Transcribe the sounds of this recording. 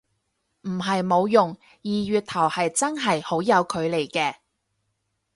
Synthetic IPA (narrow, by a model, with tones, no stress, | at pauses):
m̩˨˩ɦɐ˨jmo˨˧wjʊ˨ŋ | jiː˨˩ɥyː˨t̚t̪ʰɐ˨˩whɐ˨jt͡sɐ˥nɦɐ˨jho˨˥wjɐ˨˧wkʰɵ˨˧ɥle˨˩jkɛː˧